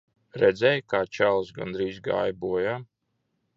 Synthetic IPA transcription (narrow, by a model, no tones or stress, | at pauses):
ɾɛd̪zɛjkaːt͡ʃalˠsɡa̰nd̪ɾiːzɡa̰jbuɔjaː